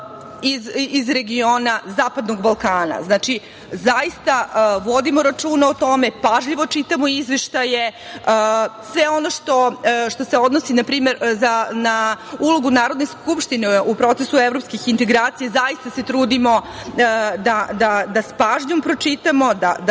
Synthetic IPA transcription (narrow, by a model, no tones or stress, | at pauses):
izizɾe̞ɡio̞nazaːpad̪no̞ɡbalˠkaːna̰znaːt͡ʃi | zaist̪aʋod̪imo̞ɾat͡ʃuːnaot̪o̞me̞paʒʎiʋo̞t͡ʂit̪amoizʋeʃt̪aje̞ | əsʋeo̞no̞ʂt̪o̞ʂt̪o̞seo̞d̪no̞sinapɾiːme̞ɾzanaulˠoɡunaːɾo̞d̪neskupʃt̪ineupɾo̞t̪sesuevɾopskixint̪e̞ɡɾaːt̪sijazajist̪ase̞t̪ɾuːd̪imo̞ | d̪ad̪ad̪aspaːʒɲo̞mpɾo̞t͡ʂit̪amo̞d̪ad̪